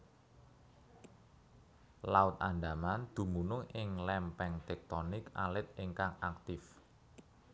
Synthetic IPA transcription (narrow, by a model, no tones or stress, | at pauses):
laʊt̪̚anɖamand̪̥ṳmunʊŋɪŋlɛmpɛŋt̪ɛk̚t̪ɔnɪka̰lɪt̪̚ɪŋkaŋak̚t̪ɪf